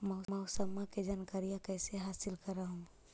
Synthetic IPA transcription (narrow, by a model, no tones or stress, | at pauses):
məʊməusəmːaked͡ʒankaɾijãkəjseɦaːsilkəɾaɦũ